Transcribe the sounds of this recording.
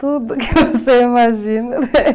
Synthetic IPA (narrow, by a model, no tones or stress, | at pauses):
t̪ud̪ʊkɪvoseimaʒinɐ